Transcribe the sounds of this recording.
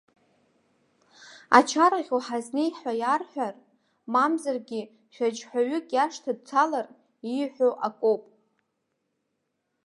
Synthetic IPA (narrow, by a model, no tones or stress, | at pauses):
a̰t͡ʃʰaɾaʁʲoħaznejħajarħʷᶣar | mamzarɡʲɪ | χʲad͡ʒħʷᶣaɥʏkʼjaʂtʰadt͡sʰalar | iħʷᶣoʔakʷʼopʼ